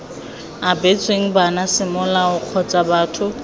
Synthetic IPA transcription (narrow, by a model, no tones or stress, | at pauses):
abet͡sʼweŋ̩banasɪmʊlaʊq͡χʰɔt͡sʼabaːtʰʊ